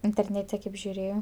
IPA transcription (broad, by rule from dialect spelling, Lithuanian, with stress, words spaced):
ɪnʲtʲɛrʲˈnʲæːtʲɛ kɐɪp ʒʲʊˈrʲeːjoː